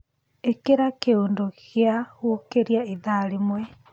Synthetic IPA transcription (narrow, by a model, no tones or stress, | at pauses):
ekeɾakeoːndokeahwokeɾiaeðaɾemwɛ